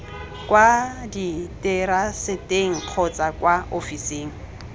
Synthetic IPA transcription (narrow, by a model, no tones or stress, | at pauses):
kwaditʼɪɾasɪteŋ̩q͡χʰɔt͡sakwaofiseːŋ̩